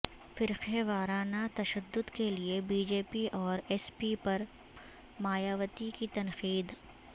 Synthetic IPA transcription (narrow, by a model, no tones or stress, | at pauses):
fɪɾxeʋaːɾaːnat̪ɐʃəd̪ːʊd̪keliebiːd͡ʒeːpiʔɔːɾɛːspipɐɾ | maːjaːʋət̪ikit̪ɐnxiːd̪